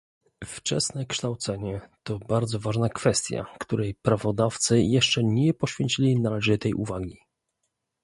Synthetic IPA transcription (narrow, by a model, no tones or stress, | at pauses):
ft͡ʂɛ̰snɛkʂt̪awt̪sɛɲɛt̪ɔbaɾd̪zɔvaʐnakfɛst̪ʲja̰kt̪uɾɛjpɾavɔd̪aft̪sɘjɛʂt͡ʂɛɲɛpɔɕfʲjeɲʲt͡ɕilʲinalɛʐɘt̪ɛjʔṵvaɡʲi